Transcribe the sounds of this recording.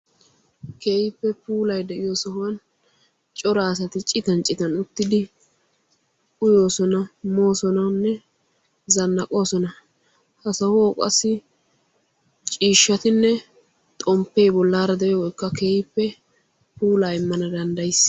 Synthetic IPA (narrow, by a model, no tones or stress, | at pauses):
ke̞ːjɪpːɛpuːlɐjd̪ɛʔɪjoːsɐhʊwɐn | t͡ʃʼɔɾaːs̬ɐt̪ɪt͡ʃʼɪt̪ɐnt͡ʃʼɪt̪ɐnʊt̪ːɪd̪ɪ | ʊjo̞ːsɔnɐmo̞ːsɔnɐnːɛ | zɐnːɐkʼo̞ːsɔnɐ | hɐsɐhʊokʼɐ̰sːɪ | t͡ʃʼiːʃːɐt̪ɪnːɛ | t̪ʼɔmpːejbɔlːaːɾɐd̪ɛjɔwɔjkːɐkeːhɪpːɛ | puːlaːjɪmːɐnɐd̪ɐnd̪ɐjs